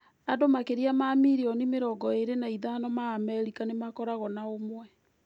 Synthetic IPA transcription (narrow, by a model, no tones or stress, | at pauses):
adomakeɾiamamiɾiɔnimeɾɔɡɔeɾenaiðanɔmaːmɛɾikanemakɔɾaɣɔnaomwɛ